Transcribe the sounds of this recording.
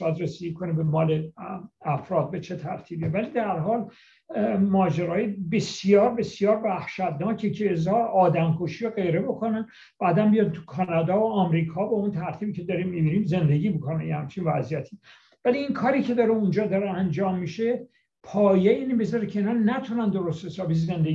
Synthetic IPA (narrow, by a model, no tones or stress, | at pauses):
æd̪ɾesiikʰonebemɒːleæfɾɒːd̪̚be̞t͡ʃʰe̞t̪ʰæɾt̪ʰiːbivælid̪æɾɦɒːl | mɒːd͡ʒeɾɒːjebe̞sjɒːɾbe̞sjɒːɾvæhʃæt̪nɒːcʰecʰeːzɒːɒːd̪æmkʰoʃijoɣe̞jɾe̞bo̞kʰonæn | b̥æːd̪ænbijɒnt̪ʰu̥kʰɒnɑd̪ɒːoɒːmɾiːkʰɒːbeunt̪ʰæɾt̪ʰiːbiːcʰe̞d̪ɒɾimːibiɾiːmze̞nd̪e̞ɡiːbikʰonænjehæ̰mt͡ʃʰinvæzijæt̪ʰi | væliːŋkʰɒːɾiːcʰe̞d̪ɒɾeund͡ʒɒːd̪ɒɾeænd͡ʒɒːmːiʃe̞ | pʰɒːjeiːnebezɒɾekʰeiːnɑːnæt̪ʰunænd̪o̞ɾost̪hesɒːbizend̪ei